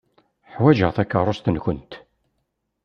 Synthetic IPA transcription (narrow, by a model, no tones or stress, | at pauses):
ħwæʒəʁθækːərˤːʊst̪ənçʊnt̪